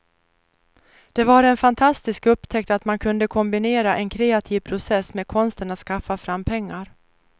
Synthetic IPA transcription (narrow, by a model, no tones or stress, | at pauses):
d̪̥ɛvaɾɛnfant̪ʰast̪ɪskɵpːt̪ʰɛk̚t̪at̪mankʰɵnd̪əkʰɔmbɪneːɾaʔɛnkʰɾeːat̪ʰiːvpʰɾʊsɛsːmeːd̪̚kʰɔnst̪əɳat̪skafːafɾamːpʰɛŋːaɾ